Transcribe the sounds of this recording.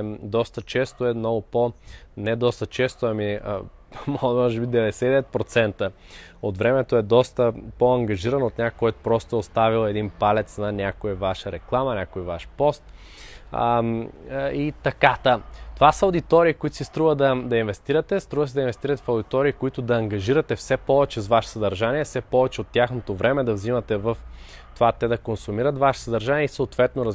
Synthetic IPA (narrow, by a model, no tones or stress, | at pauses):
d̪ɔst̪ət͡ʃɛst̪oɛnɔɡʊponɛd̪ɔst̪ət͡ʃɛst̪oɐmi | mɔmɔʒɛbid̪ɛvɛd̪ɛsɛd̪ɛvɛt̪pɾot̪sɛnt̪ə | ot̪vɾɛmɛt̪oɛd̪ɔst̪əpoɐŋɡɐʒiɾɐnot̪nʲakkːɔjt̪pɾɔst̪oɛost̪avilˠɛd̪inpalɛt̪snɐnʲakoivaʃəɾɛklˠamɐnʲakoivaʃpɔst̪ | it̪ɐkat̪ət̪ovasəod̪it̪ɔɾiːkoit̪ʊ̥sist̪ɾuvəd̪ɐd̪ɐinvɛst̪iɾɐt̪ɛst̪ɾuvəsid̪ɐinvɛst̪iɾɐt̪ɛ̥fɐʊd̪it̪ɔɾiːkoit̪ʊd̪ɐːŋɡɐʒiɾɐt̪ɛfsɛpɔvɛt͡ʃɛzvaʃsɐd̪ɐɾʒaniɛfsɛpɔvɛt͡ʃɛot̪ːjaxnot̪ovɾɛmɛd̪ɐvzimɐt̪ɛvɐf | t̪ovat̪ɛd̪ɐkonsumiɾɐt̪vaʃɛ̥sɐd̪ɐɾʒaniɛisəot̪vɛt̪noɾɐ